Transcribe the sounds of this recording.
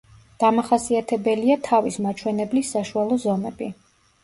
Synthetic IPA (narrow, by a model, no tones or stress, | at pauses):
d̪̥amaχasiat̪ʰɛbɛliat̪ʰavismat͡ʃʰwɛnɛblisːaʃualˠɔzɔmɛbi